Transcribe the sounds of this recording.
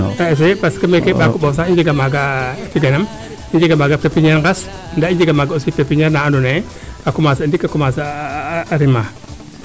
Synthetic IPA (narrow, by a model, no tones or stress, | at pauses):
aes̬epaskəmekebakuɓas̬aŋiɲd͡ʒiɡamaɡafiɡanam | iɲd͡ʒiɡamaɡapepiɲeɾŋɡas | ndaiɲd͡ʒiɡamaɡausipepiɲaɾnaandune | ɓakumasandikːakumasaːɾima